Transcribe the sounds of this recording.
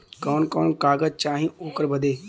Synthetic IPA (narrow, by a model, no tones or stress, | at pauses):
kɔːnkɔːnkaːɡəd͡ʒt͡ʃaːɦĩoːkəɾbəd̪eː